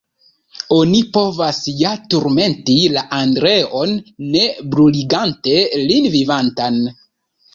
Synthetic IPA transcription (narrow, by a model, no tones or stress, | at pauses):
o̞nipo̞vasjatuɾme̞ntilaʔandɾe̞ʔo̞nːe̞bɾuliɡante̞linvivantan